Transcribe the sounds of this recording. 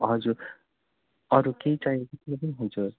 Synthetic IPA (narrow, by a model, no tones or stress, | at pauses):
ɦʌd͡zuɾ | ʌɾukejt͡saiekot̪ʰilep̬ʌniɦunt͡sʰʌ